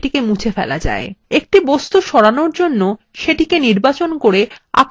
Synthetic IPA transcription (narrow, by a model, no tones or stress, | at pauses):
ʈikemũt͡ɕʰefɛ̰la̰d͡ʑa̰eek̚ʈibost̪uʃɔɽanoɾd͡ʑonːo | ʃeʈikeniɾbat͡ɕonkoɾea̰